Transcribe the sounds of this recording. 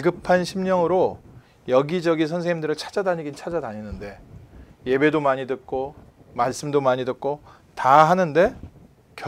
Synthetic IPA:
iɡɯpʰanɕʰimɲʌŋɯɾo | jʌɡid͡ʑʌɡinsʰʌnsʰeŋɦimdɯɾɯɭt͡ɕʰḁd͡ʑadaɲiɡint͡ɕʰad͡ʑadaɲinɯnde̞je̞be̞domaɲidɯk̚k͈ʰomaɭs͈ɯmdomaɲidɯk̚k͈o | taɦanɯnde̞ | kjʌ

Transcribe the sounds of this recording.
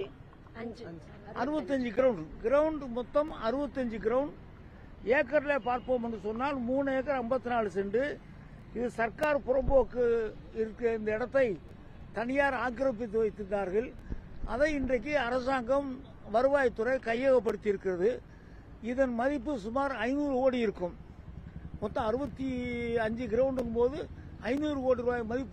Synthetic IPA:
ʔɐɾɯbɐt̪ːɯɐɲd͡ʒɯɡɪɾɐʊɳɖɡɪɾɐʋɯɳɖmɔt̪ːɐmɐɾɯbɐt̪ːɐɲd͡ʒɯɡɪɾɐʋɳɖ | eːkːɐɾɪlepaːɾpoːmɛndrɯsɔnːaːlmuːneːkːɐɾɐmbɐt̪ːɯnaːɭɯsɛɳɖɯ | ɪðɯsɐrkaːɾpʊɾɐmboːkːɯ | ɪɾɯkːɪnd̪ɐɪɽɐt̪ːɐɪ | t̪ɐnɪjaːɾaːkːɪɾɐp̬ːɪt̪̬ːɯʋɐɪt̪ːɯnd̪aːɾɣɐɭʔɐ̰ðɐɪndrɐk̬ːiɐɾɐsaːŋɡɐm | ʋɐɾɯʋaːjɐt̪ːɯɾɐɪkɐjːɐɣɐp̬ːɐɽɯt̪ːɪjɪɾɯkːɪrɐðɯ | ɪðɐnmɐðɪpːɯsʊmaːɾɐɪnuːɾɯoːɽijɪɾɯkːɯm | mɔt̪ːɐ̃ɐɾɯbɐt̪ːiɐɲd͡ʒɯɡɪɾoːɳɖɯkːɯmpoːðɯ | ɐɪnuːɾɯoːɽiɾɯʋaːjɐmɐðɪpːɯ

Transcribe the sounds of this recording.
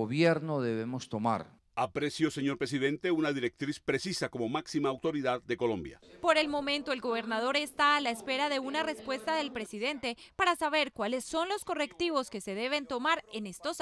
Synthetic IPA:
oβjeɾnoðeβemost̪oma̰ɾ | apɾesjo̞se̞ɲo̞ɾpɾes̬iðe̞nt̪eunaðiɾe̞k̚t̪ɾispɾesisako̞mo̞maksimaːwt̪o̞ɾiðaðːe̞ko̞lõ̞mbja̰po̞ɾe̞lmo̞mẽnt̪o̞elɡo̞β̞e̞ɾnað̞o̞ɾe̞st̪aːlaespe̞ɾaðe̞unare̞spwe̞st̪aðe̞lpɾe̞siðe̞nt̪e̞paɾasaβe̞ɾkwale̞sːo̞nlo̞sko̞re̞kt̪iβo̞ske̞se̞ðe̞β̞e̞nt̪o̞maɾe̞ne̞st̪os

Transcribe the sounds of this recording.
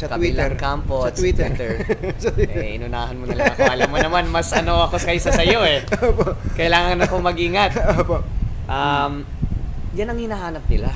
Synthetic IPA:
sɐwit̪ɛɾkamposɐt̪wit̪ɛt̪ɛɹɐʔɪ̰nʊnaːhɐnmonɐlɐkaːlɐmɐnɐmanmɐsʔɐno̞ʔɐko̞skɐjɪsɐsɐjo̞ɛopoʔkɐjlaːŋɐnɐko̞mɐɡiːŋɐt̪opoʔɐm | janɐŋhɪnahaːnɐp̚nɪla

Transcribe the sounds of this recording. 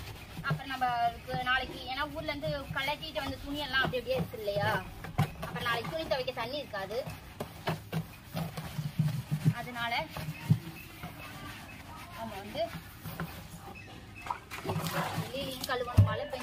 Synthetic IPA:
ɐpːɯɾɐ̃nɐmːɐɾɯkːɯnaːlɐkːɯeːnːaːuːɾɪlʋɐnd̪ɯkɐɭːɐt̪ːiɪʈːɯʋɐnd̪ɯt̪ʊɳɪɛlːãːɐpːɐɽɪnɐɽɪjaːɪɾɯkːɯðɯlːɐjaː | ɐpːɯɾɐ̃naːlɛkːɯt̪ʊɳɪt̪ɐʋɛɪkːɐt̪ɐnːiɪɾɯkːaːðɯ | ɐðɯnaːlɐ | aːmɐʋɐnd̪ɯ | lːilɪkɐɭːɯʋɐɳɯmaːlɐpo

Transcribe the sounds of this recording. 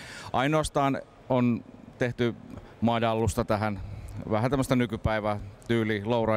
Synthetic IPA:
ʔɑinoɑst̪ɑːn | ont̪eht̪y | mɑːdɑlːust̪ɑt̪æɦænʋæhænt̪æmːəst̪ænykypæiʋæt̪yːlilourɑ

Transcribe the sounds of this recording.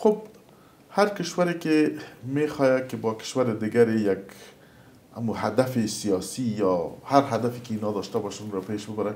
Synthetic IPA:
xob̚ | haɾkɪʃwaɾekemexɔjakɪbɔkɪ̥ʃwaɾɪd̪ɪɡaɾejak | a̰muhad̪afesijɑsijɑhaɾɦad̪afekeinɑd̪ɔʃt̪abɔʃanunɾɔpeʃbɪbaɾa

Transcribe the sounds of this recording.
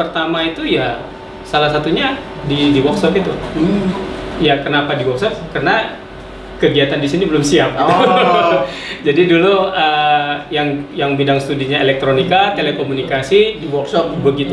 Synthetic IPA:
pərt̪amait̪uja | salasat̪uɲa | didiwɔksɔp̪it̪u | jakənapadiwɔksɔp̚kərəna | kəɡiat̪andisinibəlʊmsiap̚ɡiu | d͡ʒadiduluəjaŋjaŋbidaŋsə̥t̪udiɲaelɛk̚t̪ɾonikat̪elekomunikasiɔbəɡit̪u

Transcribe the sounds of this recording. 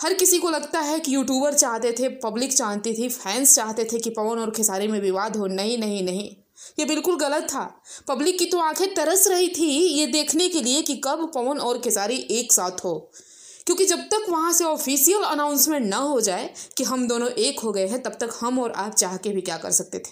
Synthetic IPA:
hɐɾkɪsikolɐɡt̪aɦɛkijuːʈ̬juːbəɾt͡ʃaːɦt̪et̪ʰepɐblɪkt͡ʃaːɦt̪it̪ʰifʰɛːnst͡ʃaːɦt̪et̪ʰekipɐʋənɔːɾkʰɪsaːɾimẽʋɪʋaːd̪ʱɦonɐɦĩnɐɦĩnɐɦĩ | jebɪlkʊlɣɐlət̪ʰːa̰ː | pɐblɪkːit̪oaːkʰet̪ɐɾəsɾɐɦit̪ʰijed̪eːkʰnekeliekikɐbpɐʋənɔːɾkʰɪsaːɾiʔeːksaːt̪ʰɦoː | kjõːkid͡ʒɐb̚t̪ɐkʋɐɦãseɔːfʰiːsijəlɐnãːʊ̃nsmẽʈnɐɦod͡ʒaːekiɦɐmd̪oːnõʔeːkɦoɡɐeɦɛ̃t̪ɐb̚t̪ɐkhɐmɔːɾa̰ːp̚t͡ʃaːɦkebʱikjaːkɐ̰ɾsɐk̚t̪et̪ʰe̥ː

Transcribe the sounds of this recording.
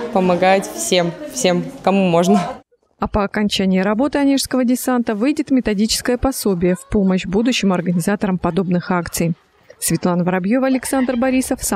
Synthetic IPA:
pəmɐɡajɪt̪fsʲe̞mfsʲemkɐmumo̞ʐnə | ɐpəɐkɐnʲt͡ɕænʲɪjɪɾɐbo̞t̪ɨɐnʲiʂskəvədʲɪsant̪əvɨjdʲɪt̪mʲɪt̪ɐdʲit͡ɕɪ̥skəjəpɐso̞bʲɪjəfpo̞məɕbud̪ʊɕːɪmɐrɡənʲɪzat̪əɾəmpɐd̪o̞bnɨxakt̪sɨj | svʲɪt̪lˠanvəɾɐbjo̞vəɐlʲɪksand̪rbɐɾʲisəfs

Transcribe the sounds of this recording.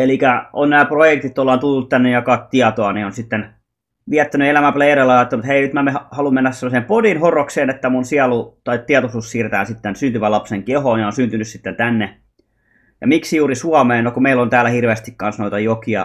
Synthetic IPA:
elikæo̰nnæːprojekt̪it̪ːolːɑːnt̪ulːut̪t̪ænːejjɑkɑt̪t̪iɑt̪oɑnionsit̪ːen | ʋiæt̪ːænyelæmæpleirelːɑɑːt̪ːɑnut̪heinyt̪mæmeɑhɑlummenːæssemːˑosempodinhorokseːnet̪ːæmunsiɑlut̪ɑit̪t̪ːiɑt̪osussiːret̪æ̰ːnsit̪ːensynt̪yʋælɑpseŋkehoːnjɑonsynt̪ynyssit̪ːent̪ænːe | jɑ̰miksijuːrisuɑmeːnokumeilːont̪æːlːæhirʋeːst̪ikkɑnsnoit̪ɑjokiɑ̰

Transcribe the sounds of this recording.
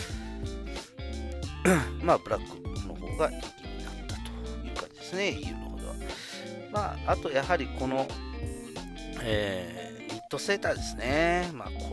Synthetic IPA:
mabɯ̟ɾakːɯno̞ho̞̰ːɡaʔikʲiɲ̟inat̪ːḁt̪o̥jɯ̟ːkã̰ɲ̟d͡ʑid̪esɨne̞ijɯ̟̰ːhhod̪o̞̰βa | maːt̪o̞jahaɾʲiko̞no̞ | eː | ɲʲit̪ːo̞se̞ːt̪ad̪e̞sɨ̥nema̰ːko

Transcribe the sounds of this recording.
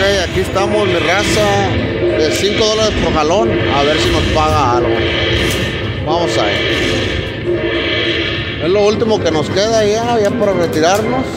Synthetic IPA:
kejakiest̪amo̞zmirasa | ðe̞siŋko̞ðo̞laɾespoɾxalo̞naβe̞ɾsino̞spaɣaalɣo̰ | bamo̞sa̰ḛs | e̞zlo̞ult̪imo̞ke̞no̞ske̞ðajaʝapaɾaret̪iɾaɾno̞s

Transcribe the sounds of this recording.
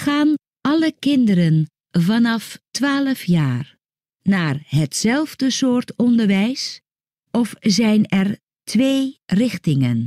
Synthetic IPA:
χaːn | ʔɑləkɪndəɾən | vɑnɑftʋaːləfjaːr | naːrɦətsɛlˠvdəsʊːɹtɔndəɹʋɛjs | ʔɔfzɛjnɛr | tʰʋeːrɪχtɪŋən

